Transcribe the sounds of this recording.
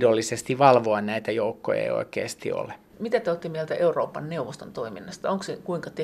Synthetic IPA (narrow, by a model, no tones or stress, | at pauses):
dolːisest̪iʋɑlʋoɑnnæit̪æjoukːojɑ̰io̰ikḛːst̪ḭo̰le | mit̪æt̪eot̪ːimiælt̪æʔeuroːpːɑnneuʋost̪o̰nt̪oiminːɑst̪ɑoŋksekuiŋkɑt̪e